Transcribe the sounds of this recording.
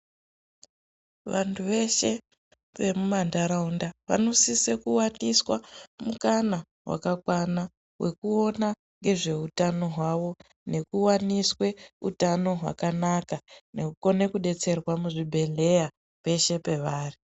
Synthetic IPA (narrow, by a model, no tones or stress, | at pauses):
ʋantʰuʋe̞ʃe̞ | ʋe̞mumandaɾaundaʋa̰no̞sisekuwaniswamukana | wa̰kakwana | we̞kuo̞na | ŋɡe̞ʐe̞utano̞ɦwaʋo̞ | ne̞kuwaniswe̞ṵtano̞ɦwa̰kanakane̞kuko̞ne̞kuɗe̞t͡se̞rwamuʐibʱe̞le̞ja | pe̞ʃe̞pe̞ʋaːri